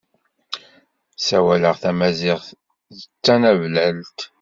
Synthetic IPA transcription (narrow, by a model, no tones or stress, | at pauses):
sæwæləʁθæmæzɪʁ | ðət͡sːænævlælt̪